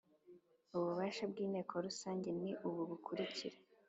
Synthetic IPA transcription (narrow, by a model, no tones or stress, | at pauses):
uβuβaːʃabɡiːne̞ːkʰoɾusaːɲɟe̞niʔuβuβukʰuɾiciɾe